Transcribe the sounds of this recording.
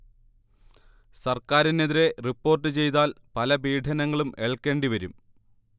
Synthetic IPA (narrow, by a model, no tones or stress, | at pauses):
sɐrkaːɾineðiɾe̞ripːo̞ːrʈːɨt͡ɕe̞jt̪aːlpɐlɐbiːɖʰʱɐnɐŋːɐɭumeɭkːe̞ːɳɖiʋɐɾum